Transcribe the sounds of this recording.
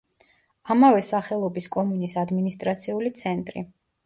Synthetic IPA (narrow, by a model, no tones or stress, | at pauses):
amavɛsaχɛlˠɔbiskʼɔmunisad̪minist̪ʼɾat̪sʰiulit̪sʰɛnt̪ʼɾḭ